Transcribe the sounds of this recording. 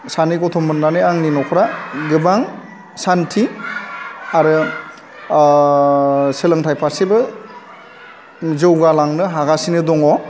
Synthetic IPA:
sanikɔtʰɔmːɯnːanɯaŋninɔkʰɾaɡɯbaŋ | santʰi | aɾɯ | sɯlɯŋtʰajpʰasebɯ | zɯwɡalaŋnɯɦaɡasinɯdɔŋɔ

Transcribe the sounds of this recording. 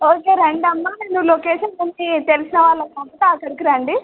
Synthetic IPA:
oːkeːɾeɳɖɐmːaːneːnːuloːkeːʃɐnmɐnːit̪elusinɐʋaːlːɐknɐmpɐt̪aːkɐɾukiɾaːɳɖi

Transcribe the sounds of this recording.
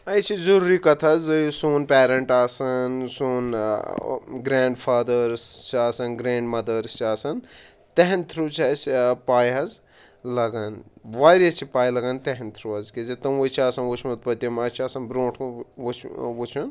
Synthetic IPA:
ɐjt͡ʃʰizɐɾuːɾikɐt̪ʰɐzɨsuːnpeːɾɐɳʈaːsɐnsuːn | ɡɾaːɳɖfʰaːd̪əɾst͡ʃʰiaːsɐnɡɾeːɳɖmɐd̪əɾst͡ʃʰiaːsɐn | t̪eɦent̪ʰɾut͡ʃʰɐspaːjɦɐz | lɐɡɐnʋaːɾɐt͡ʃʰipaːjlɐɡɐnt̪eɦent̪ʰɾuɦɐzkizet̪ɐmot͡ʃʰiaːsɐnʋot͡ʃʰmɐt̪̚pɐt̪ɐmɐt͡ʃʰiaːsɐnbɾõːʈʰt͡ʃʰwut͡ʃʰun

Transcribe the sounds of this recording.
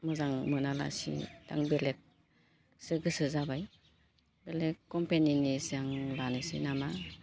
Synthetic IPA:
mɯzaŋmɯnala̰sḭd̥a̰ŋbelek̚ | sɯɡɯsɯzabaj | belekːɔmpeninisaŋlanesinama

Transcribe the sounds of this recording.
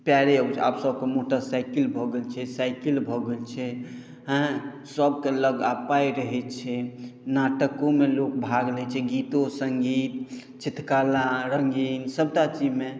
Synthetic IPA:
pjaɾeəbt͡ʃʰa̰psəb̚ʱkemoʈəɾsajkilbʱɔɡelt͡ʃʰɛsajkilbʱɔɡelt͡ʃʰɛ | ɦə̃ | səbʱkeləɡapajɾəɦɛt͡ʃʰɛnaʈəkõmelok̚bʱaɡlɛt͡ʃʰɛɡit̪osəŋɡit̪̚ | t͡ʃit̪ʰkalaɾəŋɡinsəb̚t̪at͡ʃid͡ʒme

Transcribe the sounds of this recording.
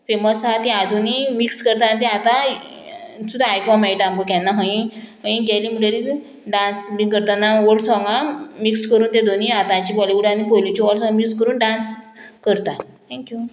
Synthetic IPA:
feməsat̪ĩad͡zonimikskəɾt̪ant̪̬ĩat̪ã | sud̪ʱaajkɔmɛʈãmɡokɛ̃nːaɦə̃ĩɦə̃ĩɡɛjlimuleɾi | ɖãnsmĩkəɾt̪anːaoɭsɔŋɡamikskəɾuːnt̪ed̪ʱoniat̪ãɲt͡ɕibɔliuɽanipojlit͡ɕiʋɔlsɔ̃mikskəɾuːnɖãnskəɾt̪a | t̪ʰɛ̃ŋkju

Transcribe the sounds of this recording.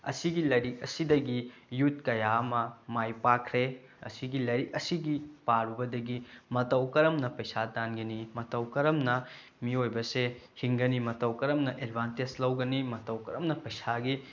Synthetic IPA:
ɐ̰siɡilɐɾikɐsidɐɡijut̚kɐjaɐmɐmajpakʰɾe | ɐ̰siɡilɐɾikɐsiɡipaɾubɐdɐɡimɐtɐwkɐɾɐmnɐpɐjsadanɡɐnimɐtɐwkɐɾɐmnɐ | miojbɐsehiŋɡɐnimɐtɐwkɐɾɐmnɐʔedbʱanteslɐwɡɐnimɐtɐwkɐɾɐmnɐpɐjsaɡi

